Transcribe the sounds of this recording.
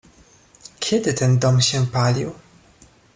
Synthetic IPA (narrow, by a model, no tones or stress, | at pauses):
kʲʰɛd̪ɘt̪ɛnd̪ɔmɕɛpalʲiw